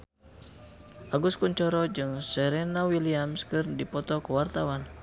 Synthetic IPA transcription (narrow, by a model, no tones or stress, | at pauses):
ʔaɡuskuɲt͡ʃɔɾɔd͡ʒɨŋsɛɾɛnawiliamskɨrdipɔt̪ɔkuwart̪awan